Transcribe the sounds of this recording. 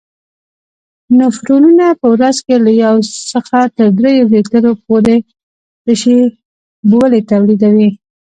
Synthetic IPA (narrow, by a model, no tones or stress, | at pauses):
nafɾonunapəwɾazkelajawsəxat̪əɾd̪ɾejobet̪əɾopoɾe | d̪̥əʃe | bwəlet̪awlid̪awi